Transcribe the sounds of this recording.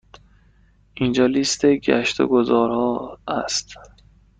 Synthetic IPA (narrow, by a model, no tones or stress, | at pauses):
ʔind͡ʒɒːlist̪ʰeɡæ̰ʃt̪ʰo̰ɡozɒːɾhɒːæst̪